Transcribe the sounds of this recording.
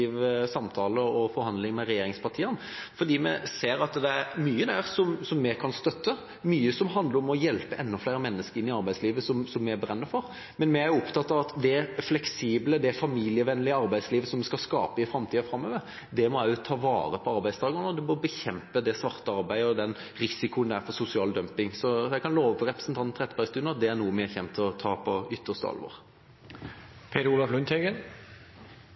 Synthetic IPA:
iːʋəsɑmt̪ʰɑːləɔfɔɾhɑnd̪lɪŋmɛɾɛjeːɾɪŋspʰɑʁt̪ʰiːən | fɔd̪iːmɛseːɾɑt̪d̪ɛæɾmyːəd̪æɾsɔmsɔmːɛkʰɑnst̪œt̪ːə | myːəsɔmɦɑnd̪ləɾɔmɔjɛlpəʔɛnːɔflæɪɾəmɛnːəskəɾɪnːɪɑɾbæɪsliːʋəsɔmsɔmːɛæɾbɾɛnːəfɔɾ | mɛnmɛæɾjʊɔpt̪ʰɑt̪ːɑːʋɑt̪d̪ɛæflɛksiːbləd̪ɛfɑmiːlɪəʋɛnəlɪɑɾbæɪd̪sliːʋəsɔmːɛskɑlskɑ̰ːpəɪfɾɑmt̪ʰiːɔfɾɑmːøːʋə | d̪ɛmɔæjʊt̪ʰɑːʋɑ̰ːɾəpʰɔɑɾbæɪst̪ɑːɡənɔd̪ɛmɔbəçɛmpəd̪ɛsʋɑʁt̪əɑɾbæɪd̪əɔd̪ɛn | ɾɪsɪkʊənd̪ɛæfɔɾsʊsɪɑːld̪œmpɪŋsɔjɛɡkʰɑnloːʋəfɔɾɛpɾəsnt̪ʰɑnʰʁɛt̪ːəbæɪst̪ʉːnɑt̪̚d̪ɛæɾnuːəmɛæçɛmt̪ʰlɔt̪ʰɑːpʰɔʏt̪ʰːəʂt̪əɑ̰lʋɔ̰ːɾ | pʰeːd̪əɾuːlɑflʉnt̪ʰeɡən

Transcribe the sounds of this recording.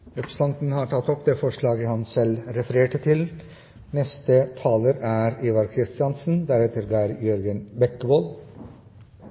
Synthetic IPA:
ɾɛpst̪ɑnt̪n̩hɑːɾʈʰɑt̪ːɔpd̪eːfɔʂɭɑːɡəhɑnsɛlɾɛfəɾeːʈət̪ʰɪl | nɛst̪ət̪ʰɑːləɾæːɾiʋɑɾkʰɾɪst̪ɪɑnsn̩d̪æɾɛt̪əɾɡɑːɾjœɾɡənbɛkːəboːl

